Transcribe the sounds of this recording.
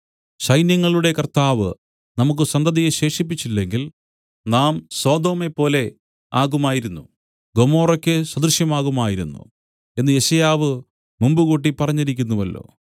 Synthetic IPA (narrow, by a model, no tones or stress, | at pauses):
ɕɐjnjɐŋːɐɭuɽe̞kɐrt̪aːʋɨ | nɐmuk̬ːɨsɐnd̪ɐðijeɕe̞ːʂip̬ːit͡ɕːilːe̞ŋɡil | naːmso̞ːd̪o̞ːme̞pːo̞ːle̞ | aːɣumaːjiɾunːu | ɡo̞mo̞ːrokʲːɨsɐd̪rʂjɐmaːɣumaːjiɾunːṵ | e̞nːɨje̞ɕɐjaːʋɨ | mumbuɣoːʈ̬ːipɐrɐɲːɐɾikʲːunːuʋɐlːo̞̰ː